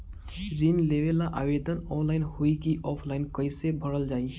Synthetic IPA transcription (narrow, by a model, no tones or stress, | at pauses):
ɾinleʋelaʔabed̪ʱənɔnlaɪnhoikiʔɔpʰlaɪnkəɪsebʱəɾəld͡ʒaːi